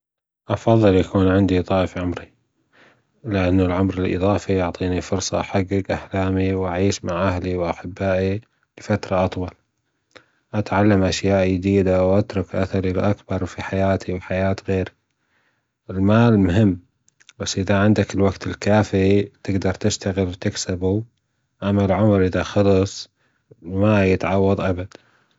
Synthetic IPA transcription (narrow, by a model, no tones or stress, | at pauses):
ʔɑfɑðˤːɨljakuːnʕɪnd̪it̪ˤɑːʔɪfʕʊmɾi | lɪʔanːʊlʕʊmɾɪlʔɨ̰ðˤɑːfijʊʕt̪ˤiːnifʊɾsˤɑ̰ʔaħaɡːɪɡʔahlaːmiwʔaʕiːʃmaʕʔaɦliwʔaħɪbːaːʔi | lɪfat̪ɾˤɑʔɑt̪ˤwɑl | ʔat̪ʕalːamʔaʃjaːʔjɪd̪iːd̪awʔat̪ɾˤʊkʔa̰θɑɾilʔakbɑɾˤwfiħajaːt̪ʰiwħajaːt̪ɣeːɾi | ʔɪlmaːlmʊɦɪmː | b̥asːʔɪðaʕɪnd̪akɪlwaɡt̪ʰɪlkaːfit̪ɪɡd̪ɑɾˤt̪ɪʃt̪aɣɪlwt̪ɪksabu | ʔamːalʕʊmɾʔɪðaxɑlɨsˤ | majɪt̪ʕɑwːɑðˤʔabad̪̥